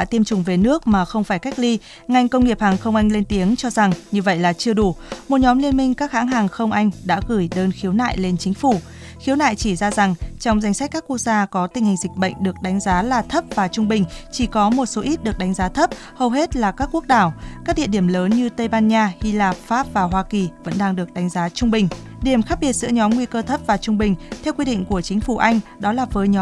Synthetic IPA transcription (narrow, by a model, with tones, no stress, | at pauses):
a̰ː˧˥t̪i˧əmt͡ɕʊ˨˩ŋ͡mve˨˩nɨ˦˥ək̚maː˨˩xə˧wŋ͡mfaː˧˩jka˦˥k̚li˧ | ŋa˧˩jŋ̟kə˧wŋ͡mŋi˨˩əp̚haː˨˩ŋxə˧wŋ͡mʔa˧jŋ̟le˧nt̪i˨˦əŋt͡ɕɔ˧za˨˩ŋɲɨ˧və̰˧˨jlaː˨˩t͡ɕɨ˧əɗu˧˩mo˨˩t̚ɲɔ˨˦mli˧ənmï˧ŋ̟kaː˦˥k̚ha̰ː˧˥ŋɦaː˨˩ŋxə˧wŋ͡mʔa˧jŋ̟ɗa̰ː˧˥ɣɨ˧˩jɗəː˧nxi˨˦wna̰ː˧˨jle˧nt͡ɕï˨˦ŋ̟fu˧˩ | xi˨˦wna̰ː˧˨jt͡ɕi˧˩zaː˧za˨˩ŋt͡ɕɔ˧wŋ͡mza˧˩jŋ̟sa˦˥k̟kːaː˦˥kːu˧˥ək̚zaː˧kɔ˨˦t̪ï˨˩ŋ̟hi˨˩ŋ̟zi˨˩k̚ɓə̰˧˨jŋ̟ɗɨ˨˩ək̚ɗa˨˦ŋ̟zaː˨˦laː˨˩t̪ʰə˦˥p̚vaː˨˩t͡ɕʊ˧ŋ͡mɓï˨˩ŋ̟t͡ɕi˧˩kɔ˨˦mo˨˩t̚so˨˦ʔi˦˥t̚ɗɨ˨˩ək̚ɗa˨˦ŋ̟zaː˨˦t̪ʰə˦˥p̚ | hə˨˩wɦe˦˥t̚laː˨˩kaː˦˥kːu˦˥ək̚ɗaː˧˩wkaː˦˥k̚ɗḭ˧˨əɗi˧˩əmləː˨˦nɲɨ˧t̪ə˧jɓaː˧nɲaː˧hi˧laː˨˩p̚faː˦˥p̚vaː˨˩ɦwaː˧ki˨˩və̰˧˥nɗaː˧ŋɗɨ˨˩ək̚ɗa˨˦jŋ̟zaː˨˦t͡ɕʊ˧ŋ͡mɓï˨˩ŋ̟ | ɗi˧˩əmxaː˦˥ɓi˧˩ət̚zɨ̰˧˥əɲɔ˨˦mŋwi˧kəː˧t̪ʰə˦˥p̚vaː˨˩t͡ɕʊ˧ŋ͡mɓï˨˩ŋ̟t̪ʰɛ˧wkwi˧ɗḭ˧˨ŋ̟ku˧˩ət͡ɕï˨˦ŋ̟fu˧˩ʔa˧jŋ̟ɗɔ˨˦laː˨˩vəː˨˦jɲɔ˨˦